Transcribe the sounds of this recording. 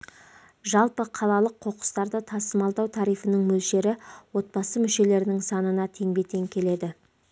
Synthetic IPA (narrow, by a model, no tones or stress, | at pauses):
ʒɑlˠpəqʰɑlˠɑlˠəqʰːo̞qə̥st̪ɑɾd̪ət̪ʰɑsəmɑlˠd̪ɑwt̪ʰɑɾijfənəɴmɵlʃe̞ɾɪwo̞t̪̚bɑsəmʏʃe̞le̞ɾɪnɪŋsɑnənɑt̪ʰe̞ŋbe̞t̪e̞ŋkʲʰe̞le̞d̪ɪ